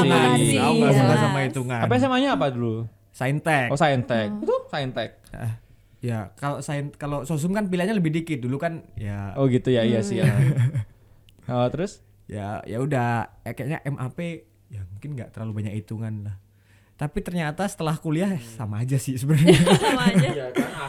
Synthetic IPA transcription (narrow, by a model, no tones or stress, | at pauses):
siauakamasamait̪uŋaanpisamaɲaːpadulu | saint̪ɛkosaint̪ɛk̪̚saint̪ɛk̚ʔə | jakalosainkalosos̬ʊmkanpilaʔɲaləbɪhdikɪt̪̚dulukanjaoɡit̪ujaijasija | ət̪əɾʊs | ja̰ja̰udaakajaɲa̰ʔɛmʔape | jamuŋkɪnɡa̰ʔt̪ərlalubaɲakit̪uŋanlah | t̪apit̪ərɲat̪asə̥t̪əlahkuliahsamaːd͡ʒasɪhsəbəra